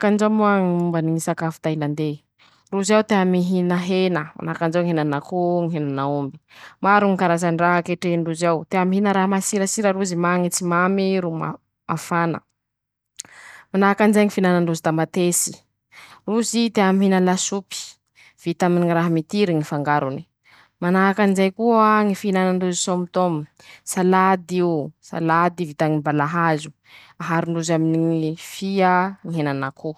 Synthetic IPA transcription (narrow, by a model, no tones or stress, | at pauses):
kand͡ʒamuaŋiumbaniŋisakafu̥t̪ajland̪e | ruzawd̪eamiɦinəɦenəma̰nakand͡ʒawŋiɦenanakoŋiɦenanaumbi̥maɾuŋikaɾazaɳɖ͡ʐaɦakeʈ͡ʂeɳɖ͡ʐuzawd̪̥eamiɦinəɾaɦamasiɾasiɾaɾuzimaŋit͡simamiɾuma | mafanə̰ | manaakand͡ʒaŋifinanaɳɖ͡ʐuzid̪amat̪esi̥ | rusid̪eamiɦenəlasupi̥ | v̥it̪aminiŋiraɦamit̪iɾiŋifaŋɡaɾuni̥ | manaakanizajkuaŋifinananduzisompt̪omi | salad̪iusa̰lad̪ivit̪aŋibalaɦazu̥ | aɦaɾinɖ͡ʐuzaminiŋfiəŋiɦenanakʰu